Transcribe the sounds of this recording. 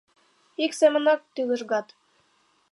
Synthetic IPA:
iksemə̆nɑk̚t̪ylə̆ʃɣɑt̪

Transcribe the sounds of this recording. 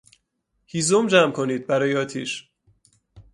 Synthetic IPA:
hiːzomd͡ʒæmkʰo̞niːd̪̚bæɾɒːjeɒːt̪ʰiːʃ

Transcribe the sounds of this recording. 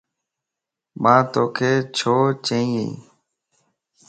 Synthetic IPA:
mãːt̪oːkʰeːt͡ʃʰoːt͡ʃẽːĩːeḭ̃ː

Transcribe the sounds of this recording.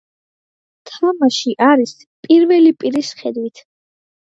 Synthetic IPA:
t̪ʰvamaʃiʔaɾis | pʼiɾvɛlipʼiɾisχɛd̪wit̪ʰ

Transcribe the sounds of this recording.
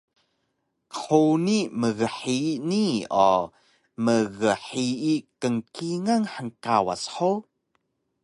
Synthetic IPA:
ħoniməɣəħiniɔ | məɣəħiikəŋkiŋaŋħəŋkawa̰sħo

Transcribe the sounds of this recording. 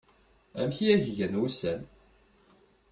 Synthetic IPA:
æ̰mçiæʝʝənusæn

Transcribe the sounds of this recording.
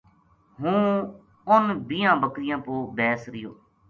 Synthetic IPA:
ɦũː | ʊnbijãːbəkɾɪjãːpoːbɛːsɾɪjoː

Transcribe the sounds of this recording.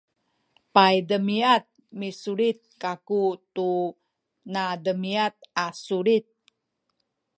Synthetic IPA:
pajdəmiat̪̚misuɾit̪̚kakut̪u | nadəmiat̪̚asuɾit̪̚

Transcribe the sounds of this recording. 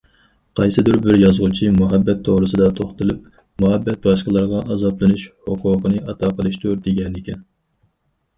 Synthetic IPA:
qʰɑjsɨd̪uɾbɪɾjɑzʁut͡ʃʰimuɦɛbːɛt̪ʰːoʁɾɨsɨd̪ɑt̪ʰoχt̪ɨlˠɨp̚ | muɦɛbːɛt̪̚bɑʃqəlˠɑɾʁɑʔɑzɑplˠɨnuʃhʊqʰʊːqənɨɑt̪ʰɑːqʰəlˠɨʃt̪ʰuɾd̪eɡʲɛnːɪkʲʰɛn

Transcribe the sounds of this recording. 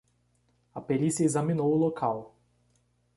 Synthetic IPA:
ɐpelisiɐezɐminowʊlokʰaw

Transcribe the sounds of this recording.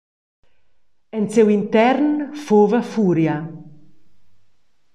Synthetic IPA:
ensewint̪ɛɾnfoːvafuːɾja

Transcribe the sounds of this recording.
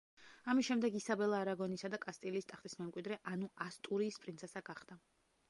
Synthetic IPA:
amisʃɛmd̪ɛɡisabɛlˠaːɾaɡɔnisad̪akʼast̪ʼiliːst̪ʼaχt̪ʼismɛmkʼwid̪ɾɛʔanuast̪ʼuɾiːspʼɾint̪sʰɛsaɡaχd̪̥a

